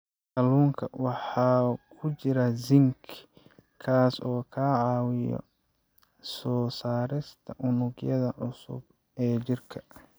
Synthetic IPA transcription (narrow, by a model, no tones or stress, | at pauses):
kɐluːŋkʰɐwɑħɑːkʰʊt͡ʃɪɾɐzɪŋkʰ | kʰaːsɔːkʰaːʕɑːwɪjɔ̰ | sɔːsaːɾɪst̪ʰɐʔʊnʊɡjɐðɐʕʊsʊ̰b | ɛːt͡ʃɪrkʰɐ̥